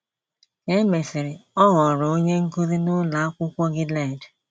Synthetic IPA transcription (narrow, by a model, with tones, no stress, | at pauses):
e˦me˨sɪ˨ɾɪ˨ɔ˦ɦɔ˨ɾo˦ɲe˦ŋ̩˦ku˦ɾi˦nʊ˦la˨a˦kʷʊ˦kʷɔ˦ɡɪ˦lɛ˦˨d